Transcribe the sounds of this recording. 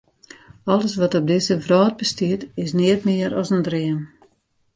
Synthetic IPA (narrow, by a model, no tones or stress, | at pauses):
ɔlˠəsʋɔtɔb̚dɪsəvrɔːt̚bəstiətɪsnɪətmɪəɾɔsəndrɪən